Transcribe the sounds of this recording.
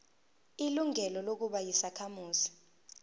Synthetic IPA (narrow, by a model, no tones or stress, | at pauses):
iluŋɛlɔlok̬uɓajisakʰamuːzi̥